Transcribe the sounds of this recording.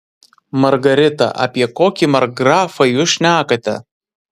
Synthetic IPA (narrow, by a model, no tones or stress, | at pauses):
mɐɾɡɐɾʲɪt̪ɐ̰ʔɐ̰pʲiɛkoːkʲimɐɾɡɾɑːfɐjuːsʃʲnʲæːkɐt̪ʲɛ̰